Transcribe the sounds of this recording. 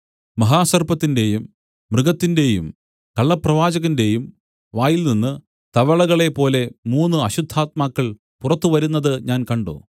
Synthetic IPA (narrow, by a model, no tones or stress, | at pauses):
mɐɦaːsɐrbɐt̪ːinde̞jumː | rɨɣɐt̪ːinde̞jum | kɐɭːɐprɐʋaːd͡ʑɐɣɐnde̞jum | ʋaːjilninːɨ | t̪ɐʋɐɭɐɣɐɭe̞po̞ːle̞muːnːɨɐɕud̪ʱːaːt̪̚maːkːɐɭ | purɐt̪ːuʋɐɾunːɐðɨɲaːnkɐɳɖo̰ː